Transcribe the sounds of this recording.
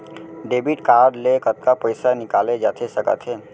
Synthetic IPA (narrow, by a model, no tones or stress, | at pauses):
ɖeːbɪʈkaːɾɖlekət̪̚kapəɪsanɪkaːled͡ʒaːt̪ʰesɐkə̰t̪ɦeː